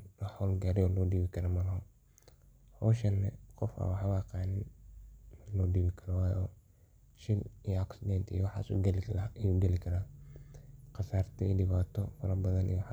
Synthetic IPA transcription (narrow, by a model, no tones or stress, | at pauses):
wɑħɔːlɡaːɾɪɔlɔːɖiːβɪkʰɐɾɐmɐðɐɦɔ | hɔːʃɐnːɛ̰qɔfɐ̰wɑħwːqɑːnɪn | mlɔːɖiːβɪkʰɐɾɔwaːjɔː | ʃɪnijɔɐksɪd̪ɛnt̪ʰijɔwɑħɑ̰ːsṵɡljuɡɛlɪkʰɐɾaː | qɑsaːrt̪ʰɔḭːɖɪβaːt̪ʰɔfɐɾɐbɐðɐnʔḭjwħ